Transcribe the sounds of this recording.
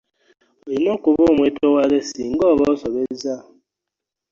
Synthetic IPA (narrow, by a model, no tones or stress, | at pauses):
ojinokuβomʷwetowaɾesiŋ̩ɡɔβɔsɔβeza